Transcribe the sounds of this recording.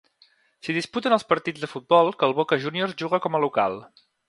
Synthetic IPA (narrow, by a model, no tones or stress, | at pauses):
siðisput̪ənəlˠspəɾt̪id͡zðəfud̪̚bɔlˠkəlˠβokəʒunioɾʒuɣəkɔməluka̰lˠ